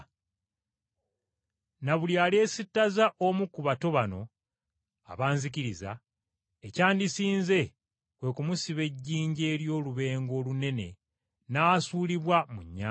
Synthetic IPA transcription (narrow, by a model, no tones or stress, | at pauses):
naβuljaːle̞ːsitːazaʔomukuβato̞βano̞̰ | a̰βaːnzikiɾiza̰ | ecaːndisiːnze̞ | kwe̞kumusiβe̞ɟːiːɲɟe̞ːɾjo̞ːluβe̞ːŋɡo̞ːlune̞nḛ | naːsuːliβwamuɲːa